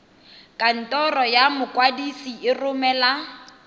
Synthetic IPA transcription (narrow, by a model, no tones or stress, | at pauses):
kʼan̩tʼɔrɔjamʊkʼwadisiɪrʊmɛla